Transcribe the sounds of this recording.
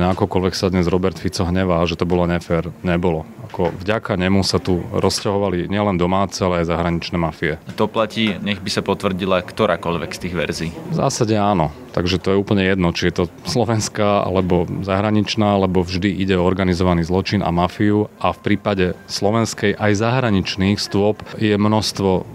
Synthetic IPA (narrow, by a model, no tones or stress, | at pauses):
ɲɛakɔkɔlʋɛksad̪ɲɛzɾɔbɛɾt̪fit͡sɔɦɲɛʋaːʒɛt̪ɔbɔlɔɲɛfɛɾɲɛbɔlɔakɔvɟakaɲɛmusat̪uɾɔscaɦɔʋaliɲɪɛlɛnd̪ɔmaːt͡sɛalɛajzaɦɾaɲit͡ʃnɛːmafiɛt̪ɔplaciːɲɛɣbisapɔt̪ʋr̩ɟilakt̪ɔɾaːkɔʎʋɛ̰kst̪iːɣʋɛ̰ɾziːvza̰ːsaɟɛaːnɔt̪aɡʒɛt̪ɔjɛuːpl̩ɲɛjɛd̪nɔt͡ʃijɛt̪ɔslɔʋɛnskaa̰lɛbɔzaɦɾaɲit͡ʃnaːlɛbɔvʒd̪iʔiɟɛɔɔɾɡanizɔʋaniːzlˠɔt͡ʃina̰mafiuafpɾiːpaɟɛslɔʋɛnskɛjʔajzaɦɾaɲit͡ʃniːxst̪ʊɔpjɛmnɔst̪ʋɔ